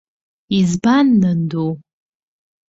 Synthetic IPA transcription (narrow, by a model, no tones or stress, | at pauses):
izbanːɨndo